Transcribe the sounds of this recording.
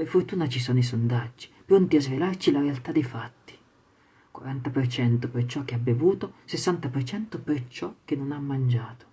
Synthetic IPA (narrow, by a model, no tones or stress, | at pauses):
perfort̪uːnat͡ʃisɔːnois̬ond̪ad͡ʒːi̥pɾont̪iazvelart͡ʃilaɾealt̪ad̪ːefat̪ːi̥ | kwa̰ɾant̪apert͡ʃɛnt̪opert͡ʃɔk̟ːeabeavuːt̪osesːant̪apert͡ʃɛnt̪opert͡ʃɔk̟ːenːonamːand͡ʒaːt̪o̥